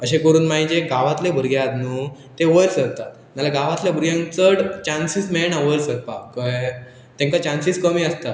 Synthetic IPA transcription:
əɕ̬ẽkəɾuːnmaɦid͡ʑeɡaʋat̪lebʱəɾɡjad̪nuː | t̪eʋəjlsəɾt̪at̪ | malaɡaʋat̪ljabʱəɾɡjãŋt͡səɽt͡ɕansismeɭnaʋəjlsəɾpakə | t̪ẽŋkat͡ɕansiskəmiːəst̪a

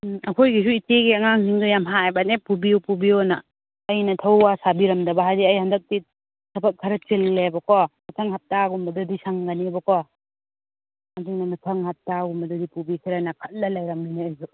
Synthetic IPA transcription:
ɐkʰojɡisuiteɡiɐŋaŋsiŋdujamɦaajbanepubiopubionɐ̰ː | jnɐtʰɐwːasabiɾɐmdɐbɐɦajdiɐjhɐndɐk̚ti | sɐbɐk̚kʰːɐɾɐt͡ʃilːebɐkɔmɐtʰɐŋhap̚taɡumbɐdɐdisaŋɡanibɐkɔ | madinɐmɐtʰɐŋhap̚taɡumbɐdɐdipubisiɾajnɐkʰɐt̚lɐlajɾɐmːineazu

